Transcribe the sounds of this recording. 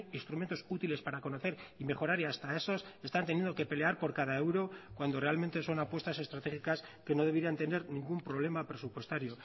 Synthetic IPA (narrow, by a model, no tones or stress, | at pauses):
inst̪ɾume̞nt̪o̞sut̪ile̞spaɾako̞no̞θe̞ɾime̞χo̞ɾaɾiast̪ae̞so̞se̞st̪ant̪enjend̪o̞ke̞pe̞le̞aɾpo̞ɾkaðaewɾo̞kwand̪o̞re̞alme̞nt̪e̞so̞napwe̞st̪ase̞st̪ɾat̪eχikas | ke̞no̞ð̞e̞βeɾiant̪e̞ne̞ɾnĩŋɡumpɾo̞β̞le̞mapɾe̞supwe̞st̪aɾjo̞